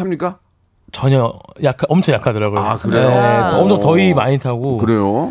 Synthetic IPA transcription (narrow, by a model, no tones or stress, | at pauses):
amɲik͈a | t͡ɕʌɲʌjakʰaʔʌmt͡ɕʰʌŋjakʰadɯɾaɡoeaskɯɾeetʌmdʌtʌimaɲitʰaɡokɯɾejo